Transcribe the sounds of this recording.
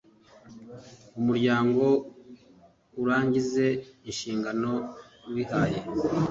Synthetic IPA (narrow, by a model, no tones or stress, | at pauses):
umuɾɟaːŋɡo̞ | uɾaːɲɟize̞inʃiːŋɡano̞nwihaːje